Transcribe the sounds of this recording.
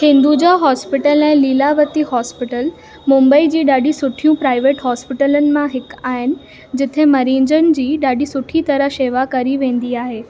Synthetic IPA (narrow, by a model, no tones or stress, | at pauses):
hɪ̃nd̪ud͡ʑaɦɔːspɪʈəlɛ̃ːliːlaʋət̪ihɔːspɪʈəl | mʊ̃mbəid͡ʑiːɗaːɖisʊʈʰijũpɾaːɪʋeːʈɦɔːspɪʈələnɪ̆mãɦɪkaːɦɪnɪ̆ | d͡ʑɪt̪ʰemɐɾĩːɲd͡ʑənɪ̆d͡ʑiːɗaːɖisʊʈʰit̪ɐɾəɦseːʋakɐɾiʋẽːn̆d̪iaːɦeː